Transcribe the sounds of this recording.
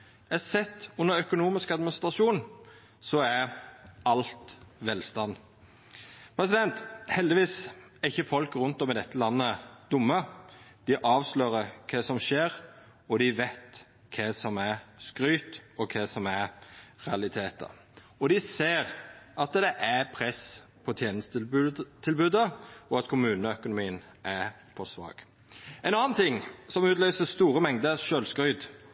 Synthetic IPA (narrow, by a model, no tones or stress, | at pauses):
ɛsɛt̪ːʉnːəɾœkʊnuːmɪskɑd̪mɪnɪst̪ʁɑʂuːn | sɔæɾɑlt̪ʋɛlst̪ɑn | pʰɾɛsɪd̪ɛnt̪hɛld̪ɪʋiːsæɾɪçːəfɔlkɾʉnt̪ɔmɪd̪ɛt̪ːəlɑnːəd̪̥ʊmːəd̪̥ɪʔɑːʋsløːɾəkʰɛsɔmʃeːɾ | ɔd̪ɪʋɛt̪ | kʰɛsɔmæɾskɾyːt̪ɔkʰɛsɔmæɾɾɛɑlɪt̪ʰeːt̪ə̰ | ɔd̪ɪseːɾɑt̪d̪ɛʔæɾpʰɾɛs | pʰɔt̪ʰjeːnəst̪ʰɪlbʉːd̪əɔɑt̪kʰʊmʉːnəœkʊnʊmiːən | ʔæɾ | pʰɔsʋɑ̰ːɡ̥ | ɛnɑːnt̪ʰɪŋːsɔmʉːt̪lʏːsəst̪uːɾəmɛŋd̪əɾʃøːlskɾʏʏd̪